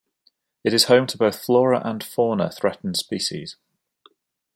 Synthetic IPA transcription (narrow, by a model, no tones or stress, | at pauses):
ɪtɪz̥hə̃ʊ̃mtʰəbəʊθflɔːɹə̰ʔə̃nfɔːnə̰θɹɛʔn̩d̥spiˑʃɪ̰z̥